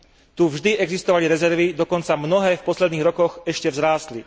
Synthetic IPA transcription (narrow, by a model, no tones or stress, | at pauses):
t̪uvʒd̪iʔɛɡzist̪ɔʋaliɾɛzɛɾʋid̪ɔkɔnt͡samnɔɦɛːfpɔslɛd̪niːɣɾɔkɔxɛʃcɛvzɾaːst̪li